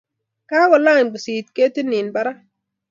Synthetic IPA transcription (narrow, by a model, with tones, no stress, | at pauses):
ka˦ɡɔ˨la˦˨nbɔ˨si˨t̪ke˦ti˦nɪ˨nba˦ɾa˦